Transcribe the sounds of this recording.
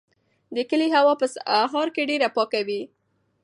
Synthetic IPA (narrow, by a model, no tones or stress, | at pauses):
d̪əkəliɦawɑpəsaɦɑɾkeɖeɾapɑkawi